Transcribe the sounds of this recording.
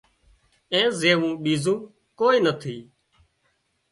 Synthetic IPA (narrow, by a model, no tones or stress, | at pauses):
ẽːzeːʋũːɓiːzũː | koːiːnət̪ʰiː